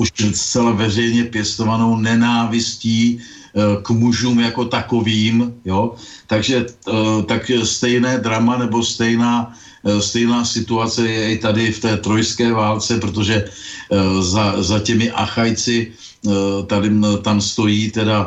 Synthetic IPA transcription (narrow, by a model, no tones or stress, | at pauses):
ʔuʃst͡sɛlavɛr̝ɛjɲɛpjɛst̪o̞vano̞wnɛnaːvɪsciː | kmuʒuːmjako̞t̪ako̞viːmjo | t̪aɡʒɛt̪akst̪ɛjnɛːd̪ɾamanɛbo̞st̪ɛjnaː | st̪ɛjnaːsɪt̪uat͡sɛjɛɪt̪adɪft̪ɛːt̪ɾo̞jskɛːvaːlt͡sɛpɾot̪̬o̞ʒɛ | zazacɛmɪʔa̰xajt͡sɪ | t̪adɪt̪amst̪o̞jiːt̪ɛda